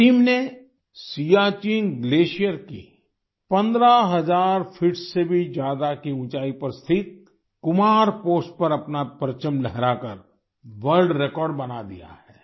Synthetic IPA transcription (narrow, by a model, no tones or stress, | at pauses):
ʈiːmne | siːaːt͡ʃiːnɡleːʃijəɾkḭ | pɐ̃nd̪ɾaɦɐzaːɾfʰɪʈsːebʱid͡ʒjaːd̪akiʊ̃t͡ʃaːipɐɾst̪ʰɪt̪̚ | kʊmaːɾpoːsʈ̚pɐɾɐpnapəɾt͡ʃəmlɛɦɾakɐɾ | ʋəɾlɖɾekɔːɾɖbɐnad̪ḭja̰hɛː